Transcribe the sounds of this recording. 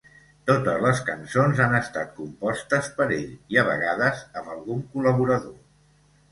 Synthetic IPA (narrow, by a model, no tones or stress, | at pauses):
t̪ot̪əzləskənsonzanəst̪at̪̚kumpɔst̪əspəɾeʎiəβ̞ə̰ɣaðəzəmbəlˠɣuŋkuləβ̞uɾəðo